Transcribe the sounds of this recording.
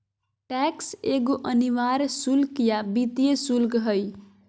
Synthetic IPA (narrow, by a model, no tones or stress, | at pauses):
ʈɛkseɡoʔəniʋaɾsulkjabit̪ijesulkɦəj